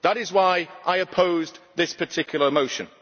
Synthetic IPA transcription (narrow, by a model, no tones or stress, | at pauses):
ðəɾɪzwaɪʔaɪəpʰoʊzðɪspʰətʰɪkʰjl̩ˠəmoʊʃə̃n